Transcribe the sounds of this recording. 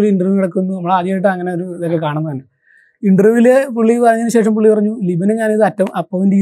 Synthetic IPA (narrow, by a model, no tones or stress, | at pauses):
liɳɖrɨʋkiɽɐkːunːunɐmːɐɭaːðijaːjiʈːɨɐŋːɐneoɾuiðokːe̞kaːɳunːɐðɐːnɨ | iɳɖrɨʋilepuɭːikɐrɐɲːɐnɨɕe̞ːʂɐmpuɭːipɐrɐɲːulibɐneɲaːniðɨɐtːɐʋumʔɐpːoːʋendiː